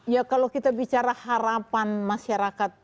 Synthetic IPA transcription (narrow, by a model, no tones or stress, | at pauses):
jakalokit̪abit͡ʃaɾahaɾapanmaʃaɾakat̪̚